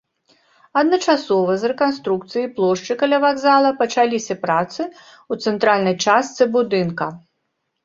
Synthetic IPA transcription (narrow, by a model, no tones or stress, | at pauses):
ɐd̪nɐt͡ʂasɔvɐzrɛkanst̪ɾukt̪sɨjiplˠɔʂt͡ʂɨkalʲavaɡzalˠɐpɐt͡ʂalʲisʲɐpɾat̪sɨ | ut̪sɛnt̪ɾalʲnɐjt͡ʂast̪sɨbud̪ɨnkɐ